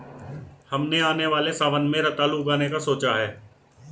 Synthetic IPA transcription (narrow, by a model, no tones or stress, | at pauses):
hɐmneaːneʋaːlesaːʋənmẽɾət̪aːluɡaːnekasoːt͡ʃaɦɛː